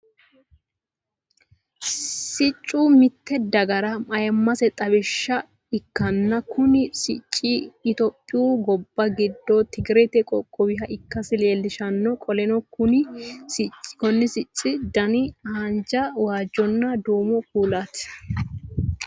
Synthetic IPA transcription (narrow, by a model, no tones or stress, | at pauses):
sɪt͡ʃʼːuːmɪt̪ːɛd̪ɐɡɐɾɐmɐjɐmːɐsɛt̪ʼɐβɛʃːɐ | ɪkːɐnːɐkʊnɪsɪt͡ʃʼːiːt̪ɔpʼːɪjuːɡɔbːɐɡɪd̪ːɔt̪ɪɡɪɾɛt̪ɛkʼɔkʼːɔwɪɦɐʔɪkːɐsɪleːlːɪʃɐnːɔkʼɔlɛnɔkʊnɪsɪt͡ʃʼːkɔnːɪsɪt͡ʃʼːɪd̪ɐnɪhɐnd͡ʒɐwaːd͡ʒːɔnːɐd̪uːmɔkuːlat̪